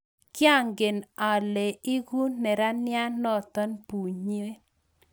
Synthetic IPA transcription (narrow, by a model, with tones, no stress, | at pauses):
kja˦˨ŋɡe˨na˨le˨i˦ɡu˦nɛ˨ɾa˦nja˦nɔ˦˨t̪ɔ˦npu˨ɲe˦